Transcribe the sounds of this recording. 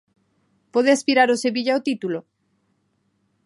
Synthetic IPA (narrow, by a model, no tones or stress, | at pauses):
poð̞easpiɾaɾoseβiʎaot̪it̪ulo